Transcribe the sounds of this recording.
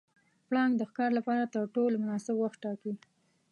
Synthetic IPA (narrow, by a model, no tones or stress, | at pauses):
plɑŋɡd̪əxkɑɾlapɑɾat̪əɾʈolmʊnɑsɪbwaxt̪ʈːɑki